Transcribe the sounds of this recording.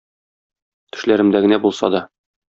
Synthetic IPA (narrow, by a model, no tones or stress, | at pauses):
t̪ɘ̥̆ʃlæɾɘ̆md̪æɡɘ̆næbulˠsɑ̰d̪ɒ